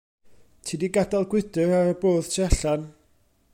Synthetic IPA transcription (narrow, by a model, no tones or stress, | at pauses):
tʰidiɡadalˠɡwɪdəɾaɾəboːðtʰiaɬan